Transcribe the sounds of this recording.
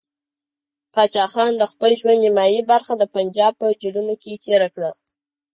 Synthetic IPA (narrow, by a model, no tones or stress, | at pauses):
pɑt͡ʃɑxɑnd̪əxpəlʒwand̪nimɑjibaɾxad̪əpand͡ʒɑb̚pəd͡ʒiɖunoket̪ʰeɾakɽa